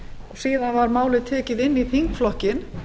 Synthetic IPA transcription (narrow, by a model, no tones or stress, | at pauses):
ɔɣsiːðanvaɾmaːwlɪðt̪ʰɛːcɪðɪnːiθiŋkflɔhcɪn